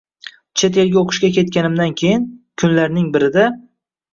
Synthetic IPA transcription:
t͡ʃʰet̪e̞lɡʲaoqʰɨ̥ʃkʲakʲe̞t̪̚kʲanɪmd̪ankʲʰe̞jɪnkʲʰʊnlaɾnɪŋbɪɾɪd̪a

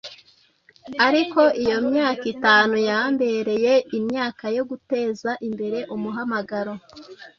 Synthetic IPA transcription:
aɾiko̞ʔijomɲaːkitaːnujaːmbe̞ɾe̞je̞imɲaːkajo̞ɡute̞ːzaʔimbe̞ɾe̞ʔumuɦamaɡaɾo̞

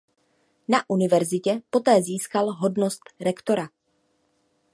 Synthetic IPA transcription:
naʔunɪvɛɾzɪcɛpo̞t̪ɛːziːskalɦo̞dnost̪ɾɛkt̪o̞ɾa

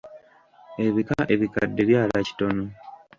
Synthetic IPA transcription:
e̞βikaʔe̞βikadːe̞βjaːlaci̥to̞no

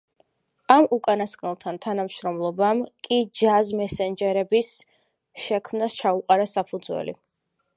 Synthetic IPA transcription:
amukʼanaskʼnɛlˠt̪ʰant̪ʰanamʃɾɔmlˠɔbamkʼid͡ʒazmɛsɛnd͡ʒɛɾɛbis | ʃɛkʰmnast͡ʃʰauqʼaɾasapʰud̪zwɛ̰lḭ

